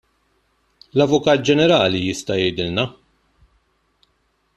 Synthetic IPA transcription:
lɐvʊkɐːt̪̚d͡ʒɛnɛɾɐːlijɪst̪ɐjɛjd̪ɪlnɐ

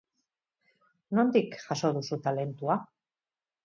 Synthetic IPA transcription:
no̞nd̪ikʝaso̞ðusut̪ale̞nt̪ua

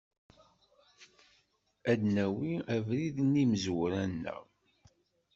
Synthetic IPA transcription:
æd̪næwiævɾiðnːiməzwɾænːə̰ʁ

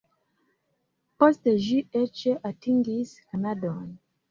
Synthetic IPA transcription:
pɔsteʒiɛt͡ʃeʔatiŋɡiskanadɔn

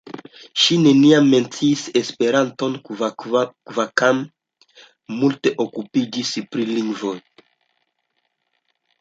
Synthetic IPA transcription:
ʃine̞niamːe̞nt͡siːsespe̞ɾanto̞n | kvakam | multe̞ʔokupid͡ʒispɾiliŋɡvo̞j

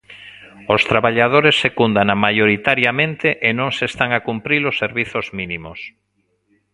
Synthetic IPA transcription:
ost̪ɾaβaʎað̞oɾesːekund̪anamajoɾit̪aɾjamẽnt̪eʔenõŋsest̪aŋakumpɾilosːeɾβiθozminimos

